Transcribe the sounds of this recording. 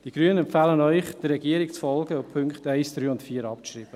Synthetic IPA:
d̥iɡ̥ɾyənənɛmpfaːlənœʏχd̥əɾːɛɡiːɾɪkt͡sfɔlɡəʊpʰʏŋkχtaɪsd̥ɾyːʊntfiːɾɑpriːb̥ə

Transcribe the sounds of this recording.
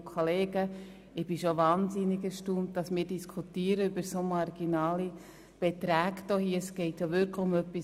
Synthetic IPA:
kʰɔleːɡə | ɪb̥ɪʃovɑːnzɪnɪɡəʃtumt̚d̥ɑsmɪːɾdiskʰutiːəɾəybəɾsomɑrɡ̥inɑːli | b̥ɛt̪ɾæːɡd̥ohiəsɡ̥ɛɪtjoʋʏɾkʰləʊmœpːi

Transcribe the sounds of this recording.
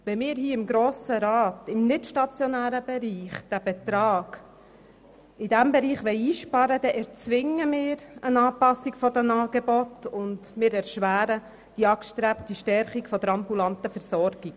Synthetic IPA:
ʋɛmɪːɾhiːɪmɡɾoːsəɾɑːt̪ɪmnɪtʃtɑt͡sjɔnæːɾəbɛɾiːχd̥æb̥ɛt̪ɾɑːɡ̥ | ɪd̥æmbɛɾiːχʋɛɪiːʃpɑɾəd̥ɛʔɛɾt͡sʋɪŋəmɪːɾənɑːpɑsːiɡ̥fɔdɛmɑːɡ̥ɛbɔtʊndmɪːɾɛɾʃʋæːɾə | d̥iɑkʃtɾæptiʃtɛɾχikfɔd̥̪əɾɑmbulɑntəfɛɾsɔɾɡ̥iɡ̥

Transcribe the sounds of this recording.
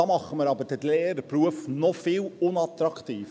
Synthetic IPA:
ɑːmɑχəməɾɑbəɾd̥ətleːədəpɾuəfnɔfɪːlʊnɑt̪ɾɑktiːf

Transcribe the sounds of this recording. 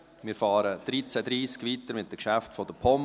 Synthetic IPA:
mɪːɾfɑːɾəd̪̥ɾit͡sædɾiːskʋiːtəɾmɪt̚d̥əkʃæftfɔd̥əpʰɔm

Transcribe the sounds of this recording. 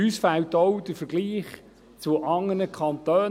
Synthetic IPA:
ysfæltɔʊd̪̥əɾfəɾɡliːχ | t͡suʔɑŋːənəkʰɑnt̪øː

